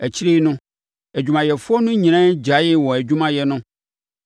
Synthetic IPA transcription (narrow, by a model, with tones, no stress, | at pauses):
ɛ˨t͡ɕi˦ɾe˦nʊ̃˦ | ɛ˨d͡ʑᶣu˨mã˨jɛ˨fʊ˦ɔ˦nũ˦ɲĩ˨ñã˦d͡ʑa˨˦jɛ˦wɔ˨ɛ˨d͡ʑu˦mã˦jɛ˨nʊ̃˦